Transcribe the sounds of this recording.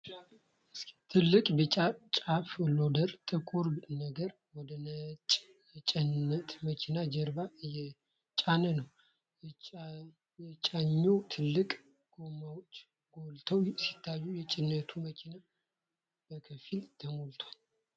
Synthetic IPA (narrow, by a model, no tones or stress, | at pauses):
ɨst̪ʰɨlːɨkʼbət͡ʃʼat͡ʃʼaflod̪əɾt̪ʼɨkʼuɾnəɡəɾ | wɔd̪ənət͡ʃʼ | t͡ʃʼɛnːət̪ʰməkʰinad͡ʒəɾbajɛ | t͡ʃʼanənəw | jɛt͡ʃʼaɲːot̪ʰɨlːɨkʼ | ɡ̥o̞mawot͡ʃː | ɡolt̪ʰəwsi̥t̪ʰːajːujɛt͡ʃʼɪnːət̪ʰuməkʰina | b̥əkʰəfilt̪ʰəmolt̪ʰwal